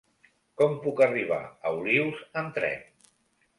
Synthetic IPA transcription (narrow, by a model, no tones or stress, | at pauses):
kɔmpukəriβ̞a̰əuliwzənt̪ɾɛ̰n